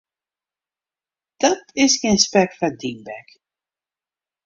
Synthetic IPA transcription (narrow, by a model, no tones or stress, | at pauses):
d̥ɑtɪsxeːnspɛk̚fadimbɛk